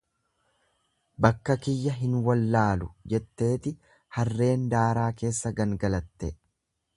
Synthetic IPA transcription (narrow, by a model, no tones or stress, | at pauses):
bɐkːɐkɪjːɐɦɪnwɐlːaːlʊd͡ʒɛt̪ːe̞ːt̪ɪ | hɐrːe̞ːnd̪aːɾaːke̞ːsːɐɡɐŋɡɐlɐt̪ːɛ